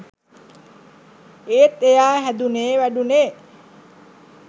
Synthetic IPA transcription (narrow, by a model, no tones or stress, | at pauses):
eːt̪ejaːɦæd̪uneːʋæɖuneː